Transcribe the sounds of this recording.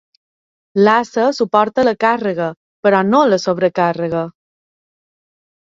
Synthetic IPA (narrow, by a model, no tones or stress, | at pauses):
lasəsupɔɾt̪ələkarəɣə | pəɾɔnoləsoβɾəkarəɣə